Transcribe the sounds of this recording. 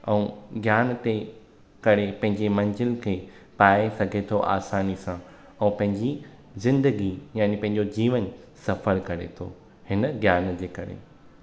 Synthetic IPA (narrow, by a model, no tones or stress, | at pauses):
ɛ̃ũɡjaːnt̪e | kɐɾepɐ̃ɦɪ̃ɲd͡ʑemɐ̃nzɪlkʰeː | paːesɐɡʱet̪ʰoʔa̰ːsaːnisã | ɛ̃ːpɐ̃ɦɪ̃ɲd͡ʑi | zɪ̃nd̪əɡijaːnipɐ̃ɦɪ̃ɲ̆d͡ʑod͡ʑiːʋən | sɐfəɾkɐɾḛt̪ʰo̰ | hɪnəɡjaːnd͡ʑeːkɐɾḛ